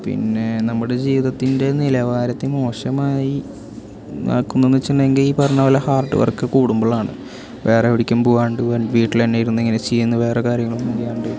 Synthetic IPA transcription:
pḭnːe̞nɐmːuɽe̞d͡ʑiːʋiðɐt̪ːinde̞nilɐʋaːɾɐt̪ːimo̞ːʂɐmaːji | na̰ːkːunːonːit͡ɕːnːɐeŋɡiliːpɐrɐɲːɐʋɐlɐhaːrʈːɨ̰ʋɐ̰rkːɨkuːɽumbɐɭaːɳɨ̰ | ʋe̞ːreʋiɽikʲːumpuːaːɳɖɨʋʋiːʈːilɐnːeːjiɾunːiŋːɐnet͡ɕejːunːɐʋe̞ːrekaːɾjɐŋːɐɭumːuɡijaːɳɖɨ

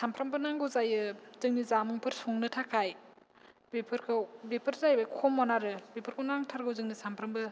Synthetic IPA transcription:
sampʰɾambɯnaŋɡɯwzajɯzɯŋnizamɯŋpʰɯɾsuŋnɯtʰakʰaj | bepʰɯɾkʰɯwbepʰɯɾzajbakʰɔmːɔnaɾɯbepʰɯɾkʰɯnaŋtʰaɾɡɯwzɯŋnisampʰɾɯmbɯ

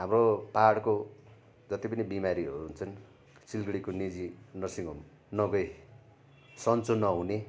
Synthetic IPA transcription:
ɦamropaɽko | d͡zʌt̪ipʌnibimaɾiɦʌ̰ɾuɦunt͡sʰʌn | silɡɽikonid͡zinʌsiŋɡʌm | nʌɡʌj | sʌnt͡sonʌɦune

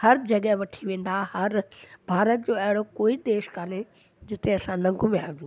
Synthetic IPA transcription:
hɐɾd͡ʑɐɠɛɦʋɐʈʰiʋẽːn̆d̪ahɐɾbʱaːɾət̪̚d͡ʑoːɐɦɪɽokoːid̪eːʃkaːne | d͡ʑɪt̪eɐsãnɐ̃ŋɡʱʊmẽaːd͡ʑũː

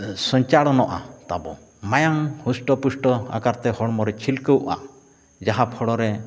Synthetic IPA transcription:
sɔɲt͡ʃaɽɔnɔʔa̰t̪abɔ̰ | majaŋhusʈɔpusʈɔa̰kaɾt̪ɛhɔɽmɔɾɛt͡ʃʰilkəwʔa̰ | d͡ʒaɦapʰɔɽɔɾɛ

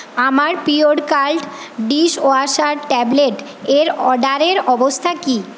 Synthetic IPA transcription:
amaɾpioɖkalʈɖiʃoaʃaɾʈɛbleʈ | eɾɔɖaɾeɾɔbost̪ʰaki

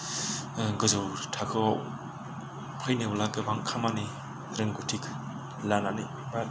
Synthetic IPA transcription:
ɡɯzɯwtʰakʰɯwaw | pʰajnɯwlaɡɯbaŋkʰamani | ɾɯŋɡutʰikʰ | lanani

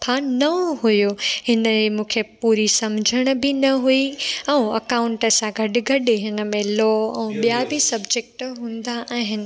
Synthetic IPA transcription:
pʰanɐɦujohɪnəemũːkʰepuːɾisɐmd͡ʑʱəɽ̃ʊ̆bɪnɐɦuiɛ̃ũɐkãːʊ̃ɳʈəsãɡʱɐɗɪɡʱɐɗeɦɪnə̆mẽlɔːɛ̃ũɓijabɪsɐbd͡ʑek̚ʈɦũːnd̪aʔaːɦɪnɪ̆

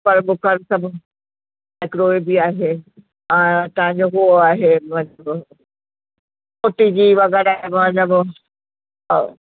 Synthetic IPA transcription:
pɐɾbʊkəɾsɐbʱ | ɪkɾoːibɪaːɦe | ɛ̃t̪ɐɦãɲ̆d͡ʑoɦuoaːɦemɐ̃ləb | koʈid͡ʑiːʋɐɣɛɾaːɦemɐ̃t̪ləb

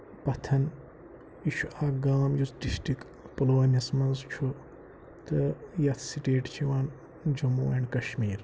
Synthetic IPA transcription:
pɐt̪ʰɐn | iʃuaːɡaːmjusɖisʈɾik | pɐloːɐnismɐnzt͡ʃʰu | t̪ɐjɐt̪ʰsiʈeːʈt͡ʃʰiʋaːn | d͡ʒɐmoːɐɳkɐʃmiːɾ

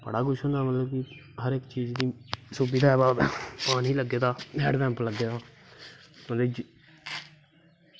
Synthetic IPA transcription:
bə̰ɽaːɡʊʃõːd̪aːmət̪ləb̚kɪ | ɦəɾɪkt͡ʃiːd͡ʒd̪iːsubiːd̪aːɛːbaːpaːniːləɡːeːd̪aːɛːɖd̪ɛ̃ːmpləɡːeːd̪aː | t̪õːd̪eːd͡ʒ

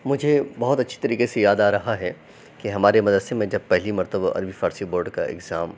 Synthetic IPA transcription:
mʊd͡ʒʱebɐɦʊt̪ɐtːʃʰi̥t̪ɐɾiːqesejaːd̪aːɾɐɦaɦɛ | keɦɐmaːɾemɐd̪əd̪semẽd͡ʒɐb̚pɛɦlimɐɾt̪əbaʔɐ̰ɾbifaːɾsiboːɾɖka̰ɪ̰ɡzaːm

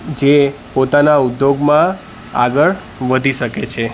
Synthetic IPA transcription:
d͡ʒe | pot̪anaud̪joɡmã | a̰ɡəɭ | ʋəd̪ʱiʃəket͡ʃʰe

